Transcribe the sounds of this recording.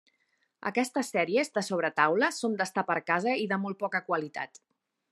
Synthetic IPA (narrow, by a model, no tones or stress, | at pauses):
ə̰kɛst̪əsːɛɾiəzðəsoβ̞ɾət̪awləsond̪əst̪apəɾkazəiðəmolˠt̚pɔkəkwəlit̪a̰t̪